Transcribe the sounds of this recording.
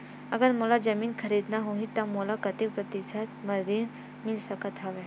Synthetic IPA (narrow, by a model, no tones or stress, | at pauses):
ɐɡəɾmoːlad͡ʒɐmiːnkʰɐɾiːd̪naɦoːɦĩt̪ɐmoːlakɐt̪ibpɾɐt̪isət̪mɐɾɾiːn | mɪlsɐkət̪ɦaʋeː